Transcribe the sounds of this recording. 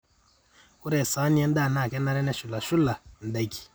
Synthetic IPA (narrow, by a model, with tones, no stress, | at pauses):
u˦ɾɛ˨sa˨˦ni˦ɛ˦n˦da˦˨na˨kɛ˦na˦ɾɛ˦nɛ˦ʃu˨la˨ʃu˦la˨n̩˨da˨˦ki̥˨